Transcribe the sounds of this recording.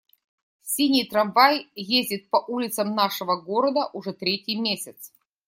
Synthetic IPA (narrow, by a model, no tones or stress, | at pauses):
sʲinʲijt̪ɾavajjezʲdʲɪt̪̚pɐʔulʲɪt̪səmnaʂɨvəɡoɾəd̪əʔuʐɛt̪ɾʲetʲɪjmʲesʲɪt̪s